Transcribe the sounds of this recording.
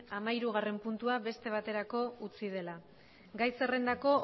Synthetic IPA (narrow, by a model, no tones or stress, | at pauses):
amaiɾuɣ̞are̞mpunt̪uaβe̞st̪e̞β̞at̪e̞ɾako̞ut͡sið̞e̞la | ɡajse̞re̞nd̪ako̞